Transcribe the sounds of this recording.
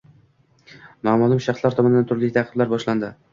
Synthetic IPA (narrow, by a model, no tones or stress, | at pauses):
maːmɒlˠɪmʃaχslˠaɾt̪ʰɒmɒnɪd̪ant̪ʰʊɾlɪt̪ʰaqʰɨblaɾbɒʃland̪ɪ